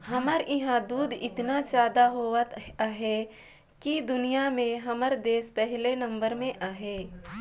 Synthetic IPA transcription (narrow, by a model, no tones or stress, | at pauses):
ɦɐməɾʔɪɦãd̪uːd̪ɪ̰t̪nat͡ʃaːd̪aɦoːət̪aːɦe | kid̪ʊnijamẽɦɐməɾd̪eːspɛɦlenɐ̃mbəɾmẽʔaːɦeː